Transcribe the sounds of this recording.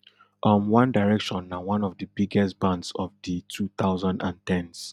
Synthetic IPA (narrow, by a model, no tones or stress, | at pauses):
ʔɔmwãndaɪɹɛkʃɔ̃nːawãnɔvdəbiɡɛstbãndsɔvditʰuθaʊzãndã̰ntɛ̃ns